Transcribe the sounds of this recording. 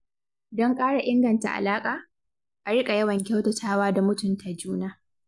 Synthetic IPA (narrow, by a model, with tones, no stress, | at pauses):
dɔ˦ŋkʼaː˦ɽa˨ʔɪ˦ŋɡɐ˨nta̰˨ʔa̰˨laː˦kʼaː˨ | ʔa˨ɽɪ˦kʼa˨jɐ˦wɐ˨ŋkʲa˦wtɐ˨tʰaː˦waː˦da˨mʊ˦tʊ˨ntʰa˨d͡ʒuː˦naː˦